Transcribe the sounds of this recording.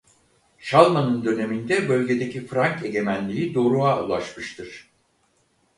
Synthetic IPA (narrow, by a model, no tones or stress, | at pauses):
ʃalˠmanɯnd̪ø̞ne̞mind̪ɛbø̞lʲɟe̞d̪e̞cʰifɾaɲce̞ɟe̞mænlʲijid̪o̞ːɾuaṵlˠaʃmɯʃt̪ʰɯɾ̥